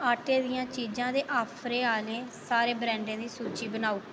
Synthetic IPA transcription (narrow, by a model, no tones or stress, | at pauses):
aːʈeːd̪ɪjãːt͡ʃiːd͡ʒãːd̪eːʔaːpʰɾeːaːleːsaːɾeːbɾɛ̃ːɳɖẽːd̪iːsuːt͡ʃiːbənaːuː